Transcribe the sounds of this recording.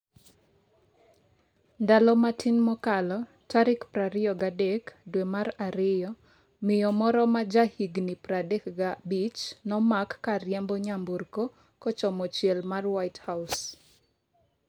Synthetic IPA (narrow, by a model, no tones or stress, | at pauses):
ndalɔmatʰinmɔkalɔ | taɾɪkpɾaɾɪɔɡadekdwemaraɾɪjɔ | mɪjɔmɔɾɔmad͡ʒahiɡnipradekɡabit͡ʃnɔmakːaɾjambɔɲamborko | kɔt͡ʃɔmɔt͡ʃjɛlmarwaɪthaʊs